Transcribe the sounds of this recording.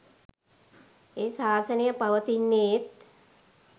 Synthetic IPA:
eːsaːsənijəpaʋət̪inːet̪

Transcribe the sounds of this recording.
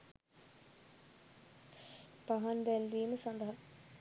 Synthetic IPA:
pɐɦɐnbɛlʋiːməsɐnd̪ɐɦɐ

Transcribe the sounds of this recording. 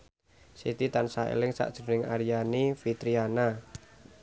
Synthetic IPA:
sit̪it̪ansaḛlɪŋsa̰ʔd̥ʒ̥ə̤nɪŋaɾijanifit̪ɾiana

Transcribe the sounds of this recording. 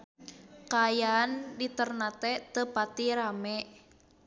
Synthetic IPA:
kajandit̪ərnat̪ɛt̪əpat̪iɾamɛʔ

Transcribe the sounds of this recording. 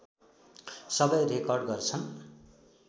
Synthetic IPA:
sʌbʌjrekʌrɖɡʌrt͡sʰʌn

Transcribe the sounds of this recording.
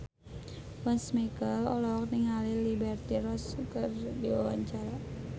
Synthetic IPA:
wansmikəlɔlɔk̚niŋalilibɛrt̪iɾɔskərdiwawa̰ɲt͡ʃaɾa

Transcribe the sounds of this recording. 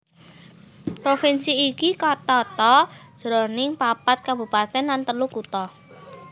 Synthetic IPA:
pɾofinsiːkikɔt̪ɔt̪ɔ̥ʒ̥ɾonɪŋpapat̪̚kabṳpat̪ɛnlant̪əlukut̪ɔ

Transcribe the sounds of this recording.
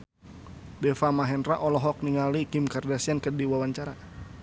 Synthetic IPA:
dɛfamaɦɛnraʔɔlɔɦɔk̚niŋalikimkardasiankədiwawaɲt͡ʃaɾa

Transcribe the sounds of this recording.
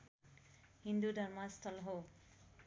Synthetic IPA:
hindudʱaɹmastʰɔlɦo

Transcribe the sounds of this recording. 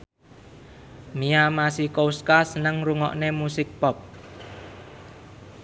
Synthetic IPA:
miamasikowskasənəŋruŋɔ̰ʔnemusɪk̚pɔp̚

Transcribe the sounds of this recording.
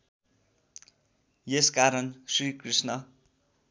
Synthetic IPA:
jeskaɾʌnsriːkrisnʌ

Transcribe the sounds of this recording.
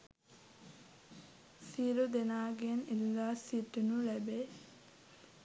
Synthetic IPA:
siɾud̪enaːɡenilːasit̪ːunulæbe

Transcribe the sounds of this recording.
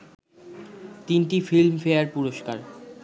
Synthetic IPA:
t̪inʈifilmfeaɾpuɾoʃkaɾ

